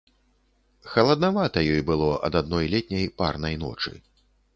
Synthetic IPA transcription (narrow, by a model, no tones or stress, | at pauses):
xɐlˠɐd̪navat̪ɐjɔjbɨlˠɔʔɐ̰d̪ad̪̚nɔjlʲɛt̪ʲnʲɐjpa̰rnɐjnɔ̰t͡ʂɨ̰